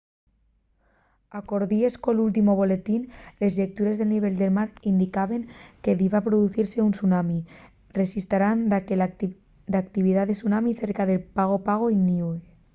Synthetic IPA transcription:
akoɾðieskolult̪imoβ̞olet̪inlezʎek̚t̪uɾezðelniβ̞eʎd̪elmaɾind̪ikaβeŋkeðiβapɾoðuθiɾseunsunami | resist̪aɾand̪ | d̪akt̪iβ̞iðaðesunamiθeɾkaðepaɣ̞opaɣ̞oiniwe

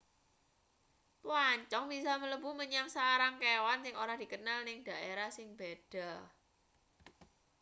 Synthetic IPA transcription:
pwaɲt͡ʃɔŋb̥isamələbṳməɲamsaɾaŋkewansɪŋoɾahd̥i̤kənalnɪŋd̪̥a̤ʔeɾahsɪŋb̥ed̥a̤

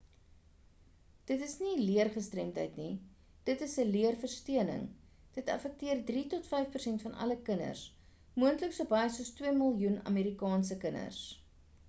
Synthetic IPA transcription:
d̥ətəsniliərχəstrɛmtə̰jtni | d̥ətəsəliərfərstiənə̰ŋ | d̥ətɐ̰fɛk̚tiərdritɔtfɛjfpərsɛntfɐnʔɐ̰ləkənə̰rs | muəntləksuəbɐjəsuəstwiəməlˠjunɐ̰meːɾikɑːnsəkənə̰rs

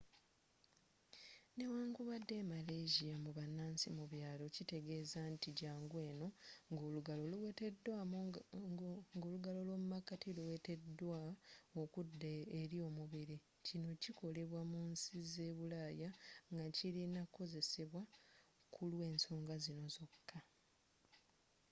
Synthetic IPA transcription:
ne̞waːŋɡuβadːe̞male̞ːʒijamuβanːaːnsimuβjaːlo̞cite̞ɡe̞ːzantiɟaːŋɡwe̞ːno̞ɡoɡoeda | ŋɡoːluɡalo̞lwo̞mumakːatiluwe̞te̞dwaokudːeːɾio̞muβiɾi | cino̞ciko̞le̞βwamunsize̞ːβulaːjaŋɡaciɾinakːo̞ze̞se̞βwa | kʰulwe̞ːnso̞ːŋɡazino̞zo̞kʰːa

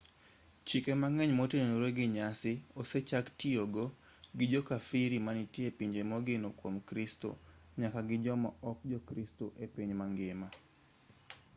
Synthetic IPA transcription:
t͡ʃikemaŋɛɲmotennoɾeɡɪɲasɪoset͡ʃaktioɡo | ɡɪd͡ʒɔkafiɾimanitiepiɲd͡ʒemoɡɪnokwomkɾisto̰ɲakaɡɪd͡ʒɔmɔɔk̚d͡ʒɔkɾistoʔepiɲmaŋɡɪma

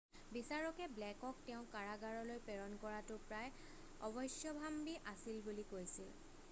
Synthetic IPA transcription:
bisaɹɔkɛblɛkɔk̚tɛʊ̃kaɹaɡaɹɔlojpeɹɔnkɔɹatʊpɹaj | ɔ̰bɔjsjɔbʱambiʔasilbulikojsil

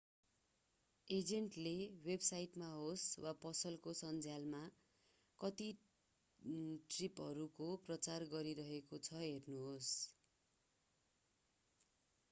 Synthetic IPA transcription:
ed͡zeɳʈlewebsajʈmaɦoswapʌsʌlkosʌnd͡zʱjalma | kʌt̪i | ʈripɦʌɾukoprʌt͡sarɡʌɾiɾʌɦekot͡sʰʌɦernuɦos

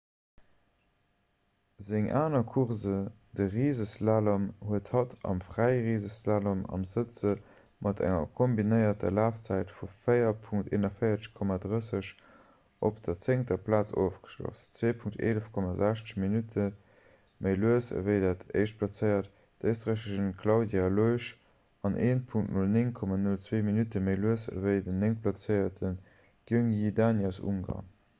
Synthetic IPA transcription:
zɪŋʔaːnɐkʰuʁzə | dəʁiːzəslaːləmhuəthɑtʰɑ̰mfʁæɪʁiːzəslaləmɑ̰mzət͡sə | mʔɑtʰæ̰ŋɐ̰kʰombinəɪɐtʰɐ̰laːft͡sæɪtfufəɪɐpʰuŋk̚tḛːnɐfəɪɐt͡sə̥ʃkʰɔmaːdʁəsəɕ | ʔo̰pd̥ɐt͡seŋtɐpʰlaːt͡so̰ːfɡ̥ə̥ʃlo̰st͡sveːpʰuŋktḛːləfkʰɔmazæʃt͡sə̥ʃminutʰə | məɪluəsə̰vəɪdatə̰ɪʃt̚pʰlɑt͡səɪɐt | d̥əɪstʁəʃəʃənkʰlɑʊdjaloɪʃ | ɑnʔeːnpʰuŋktnulnɪŋkʰɔmanult͡sweːminutəməɪluəsə̰vəɪdəneŋpʰlɑt͡səɪɐtʰən | ɡ̥uŋidanasṵŋɡɑ̰

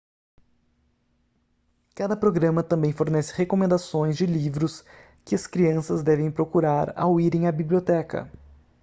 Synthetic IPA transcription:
kad̪ɐpɾoɡɾɐ̃mɐt̪ɐ̃mbẽj̃foɾnɛsɪ̥hekomẽnd̪asõj̃zd͡ʒɪlivɾʊs | kɪɐskɾiɐ̃sɐzd̪ɛvẽj̃pɾokuɾaɾa̰wiɾẽj̃ɐbibliot̪ɛkɐ̰

